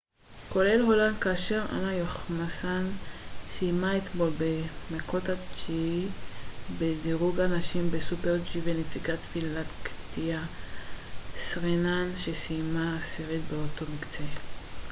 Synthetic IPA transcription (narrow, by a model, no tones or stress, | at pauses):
ko̞le̞lɦo̞lankaːʃe̞ʁa̰najoχmasansimaet̪mo̞lbemekot̪at͡ʃii | bediʁuɡanaʃimbesupeʁd͡ʒivenet͡siɡat̪filat̪kt̪ia | sʁenanʃesimaːsiʁit̪̚beot̪o̞mikt͡se